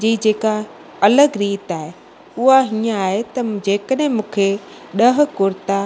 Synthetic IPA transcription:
d͡ʑiːd͡ʑeːka | ɐləɡɾiːt̪aːɦe | ʊɦaɦiːə̃aːɦet̪ɐd͡ʑeːkəɗɦɪ̃mũːkʰe | ɗɐɦʊ̆kʊɾt̪a

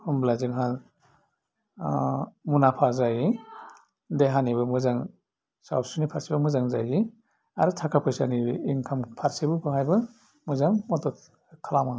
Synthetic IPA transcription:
humblazɯŋɦal | munapʰazaji | deɦanibɯmɯzaŋ | sa̰wsunipʰaɾsibɯmɯzaŋza̰ji | a̰ɾɯtʰakʰapʰɯjsanibiŋkʰampʰaɾsibɯbʰɯɦajbɯ | muzaŋmɔtɔ | kʰalama

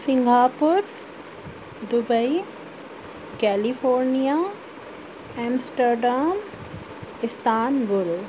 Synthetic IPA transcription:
sɪ̃ŋɡʱaːpʊɾ | d̪ʊbəi | kɛːlifʰoːɾnijaː | ɛ̃ːmsʈəɾɖaːm | ɪst̪ʰaːnbʊl

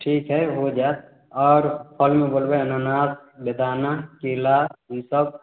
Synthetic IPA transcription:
ʈʰiːkɦɛɦod͡ʒaːt̪̚ | ɔːɾpʰəlmẽbolbeənanaːsbed̪ʱaːnakelaɦisəb̚

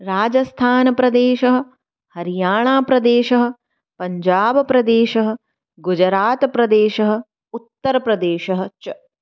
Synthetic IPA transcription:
ɾaːd͡ʒɐst̪ʰaːnɐpɾɐd̪eːʃɐɦɐ̆ | hɐɾijaːɳaːpɾɐd̪eːʃɐɦɐ̆ | pɐɲd͡ʒaːbɐpɾɐd̪eːʃɐɦɐ̆ | ɡud͡ʒɐɾaːt̪ɐpɾɐd̪eːʃɐɦɐ̆ | ut̪ːɐɾɐpɾɐd̪eːʃɐɦɐ̆t͡ʃɐ

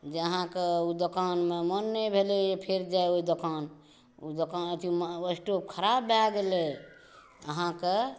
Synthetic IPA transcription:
d͡ʒeəɦãkeud̪okanmemənːɛbʱeleepʰeɾd͡ʒaeoid̪okan | ud̪okanət̪ʰiuməsʈop̚kʰəɾabaɡele | əɦãke

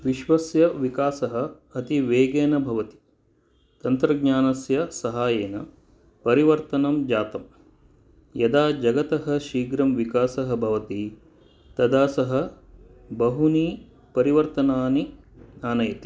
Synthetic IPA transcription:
ʋiʃʋɐsjɐʋikaːsɐɦɐ̆ | ɐt̪iʋeːɡeːnɐbʱɐʋɐt̪i̥ | t̪ɐnt̪ɾɐɡ̚ɲaːnɐsjɐsɐɦaːjeːnɐ | pɐɾiʋɐɾt̪ɐnɐmd͡ʒaːt̪ɐm | jɐd̪aːd͡ʒɐɡɐt̪ɐɦɐ̆ʃiːɡɾɐmʋikaːsɐɦɐ̆bʱɐʋɐt̪i | t̪ɐd̪aːsɐɦɐ̆ | bɐɦuniː | pɐɾiʋɐɾt̪ɐnaːni | naːnɐjɐt̪i̥

